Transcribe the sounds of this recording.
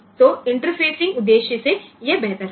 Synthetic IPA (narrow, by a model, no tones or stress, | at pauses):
t̪oɪ̃ɳʈəɾpʰeːsɪ̃ŋɡʊd̪ːeːʃəsejebɛɦt̪əɾ